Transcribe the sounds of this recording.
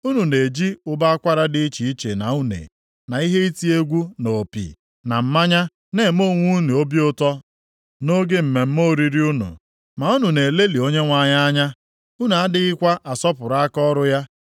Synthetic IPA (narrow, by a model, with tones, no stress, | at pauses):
u˦nu˨ne˨d͡ʒi˦ʊ˦ba˦a˦kʷa˦ɾa˦dɪ˦i˦t͡ʃi˨i˦t͡ʃe˨na˨u˦nḛ˨ | na˨i˦ɦe˦i˦ti˦e˦ɡʷu˦no˨pḭ˨ | na˨m̩˦ma˦ɲa˦ | ne˨mo˦˨ŋʷu˦nu˨o˦bi˦ʊ˦tɔ˦ | no˦ɡe˦m̩˨me˨m̩˦mo˦˨ɾi˦ɾi˦u˦nṵ˨ | ma˨u˦nu˨ne˨le˦li˨o˦ɲe˦ŋʷa˨ɲa˦a˦ɲa˦ | u˦nu˨a˦dɪ˦ɪ˦kʷa˦ʔa˨sɔ˦pʊ˨ɾa˦a˦kɔ˦ɾʊ˦ja˦